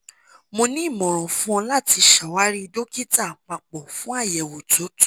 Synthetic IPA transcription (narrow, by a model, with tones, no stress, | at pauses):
mo˧nĩ˦i˦˨mɔ̃˨ɾ̃ɔ̃˨fũ˦ɔ̃˧la˦˨ti˧ʃa˨wa˨˦ɾi˦˧do˦ki˦ta˦˨k͡pa˨k͡pɔ˨fũ˨˦a˦˨jɛ˨wo˨to˨˦tu˦